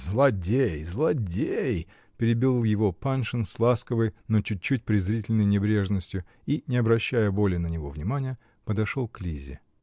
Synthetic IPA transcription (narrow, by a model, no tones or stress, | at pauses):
zlˠɐdʲejzlˠɐdʲej | pʲɪɾʲɪbʲilˠlˠjɪvo̞panʂɨnslˠaskəvəjnot͡ɕʊt̚ʲt͡ɕːut̚ʲpɾʲɪzɾʲitʲɪlʲnəjnʲɪbɾʲe̞ʐnəsʲtʲjʊ | inʲɪɐbɾɐɕːæjəbo̞lʲɪnənʲɪvo̞vnʲɪmanʲɪjə | pəd̪ɐʂolˠklʲizʲɪ̰